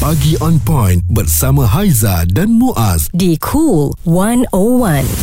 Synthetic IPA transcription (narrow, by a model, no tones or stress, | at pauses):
paɡiɔ̃npɔ̃jnbərsamãɦajzadãnmũʔasdikʰulwãnowãn